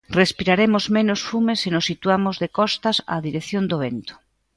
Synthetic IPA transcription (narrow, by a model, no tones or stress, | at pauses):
respiɾaɾemozmẽnosfumesenosːit̪uamozðekɔst̪asa̰ðiɾeθjond̪oβent̪o̥